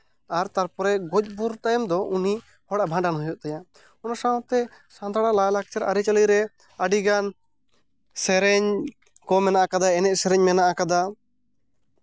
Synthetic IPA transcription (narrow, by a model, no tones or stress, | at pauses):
aɾt̪aɾpɔɾɛʔɡɔc̚ˀbuɾʈ̪ajmd̪ɔʔuni | hɔɽabʱãɳɖanɦujɔʔt̪aja | ɔnasaw̃t̪ɛ | sãnd̪aɽalajlak̚t͡ʃɛɾa̰ɾit͡ʃaliɾɛ | aɖiɡan | sɛɾɛɲ | kɔmɛnaʔakad̪aɛnɛʔsɛɾɛɲmɛnaʔakad̪a